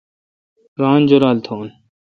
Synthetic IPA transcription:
ɡaːnd͡ʒoːɾaːlt̪ʰoːn

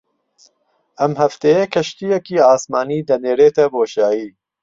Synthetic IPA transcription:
ʔɐmhɐft̪ejekʰɐʃt̪ijɛkiːaːsmaːniːd̪ɐneːɾeːt̪ʰɐboːʃaːjiː

